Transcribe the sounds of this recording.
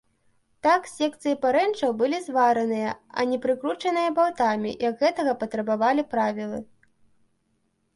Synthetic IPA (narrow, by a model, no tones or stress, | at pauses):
t̪aksʲɛk̚t̪sɨjipaɾɛnt͡ʂɐwbɨlʲizvaɾɐnɨjɐɐ̰nʲɛpɾɨkɾut͡ʂɐnɨjɐbawt̪amʲḭjɐɡ̪ɣɛt̪ɐɣɐpɐt̪ɾɐbavalʲipɾavʲilˠɨ